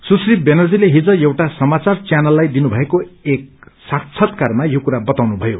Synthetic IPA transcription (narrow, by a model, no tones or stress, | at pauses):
susribenʌrd͡zileɦid͡zʌjewʈasʌmat͡sart͡sjanʌlːajd̪inubʱʌekoek̚sakt͡sʰʌt̪karmajokuɾabʌt̪awnubʱʌjo